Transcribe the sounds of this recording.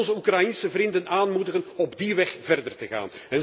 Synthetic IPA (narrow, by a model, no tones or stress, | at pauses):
nzəukrajinsəvrɪndənaːnmudəɣənɔbdiʋɛxv̥ɛrdərtəɣa̰ːnɛn